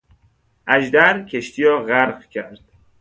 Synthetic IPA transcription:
ʔæd͡ʒd̪æɾkʰeʃt̪ʰiːjɾɒːɣæɾɢcʰæɾd̪̥

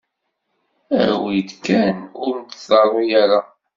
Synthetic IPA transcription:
ə̰ɾwid̪kænʊɾmt̪sɑɾˤojaɾa

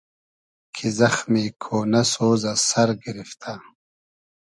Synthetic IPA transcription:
kʰizɐxmiːkʰoːnɐsoːzɐsɐɾɡiɾift̪ʰa

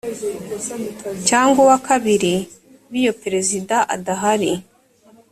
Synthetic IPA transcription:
caːŋɡowakʰaβiɾi | βijo̞peɾe̞zidaʔa̰daɦaɾi

